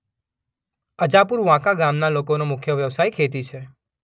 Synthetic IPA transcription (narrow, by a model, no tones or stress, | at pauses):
əd͡ʒapuɾʋãkaɡamnalokonomʊkʰjəʋjəʋsajkʰet̪̬it͡ʃʰe